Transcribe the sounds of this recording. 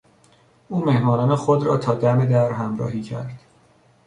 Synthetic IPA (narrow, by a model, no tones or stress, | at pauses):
ʔuːme̞hmɒːnɒːnexod̪ɾɒ̰ːt̪ʰɒːd̪æme̞d̪æɾɦæmɾɒ̰ːhiːcʰæ̰ɾd̪̥